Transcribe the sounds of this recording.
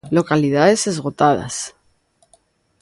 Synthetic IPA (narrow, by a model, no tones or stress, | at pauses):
lo̞kaliðaðe̞se̞zɣo̞t̪aða̰s